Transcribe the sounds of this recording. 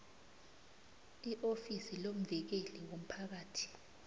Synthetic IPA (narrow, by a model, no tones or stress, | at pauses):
iʔofisilom̩vɛk̬eliwom̩pʰak̬aːtʰi̥